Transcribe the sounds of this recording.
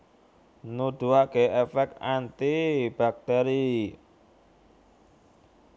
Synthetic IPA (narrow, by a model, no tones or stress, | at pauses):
nuɖ̪̥ṳakeʔɛfɛkant̪ib̥a̤k̚t̪ɛɾi